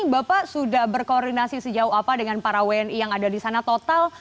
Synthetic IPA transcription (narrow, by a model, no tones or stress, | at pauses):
bapaʔsudahbərkoɔrdinasisəd͡ʒauɦapadəŋanpaɾawɛnjaŋadadisanat̪ot̪al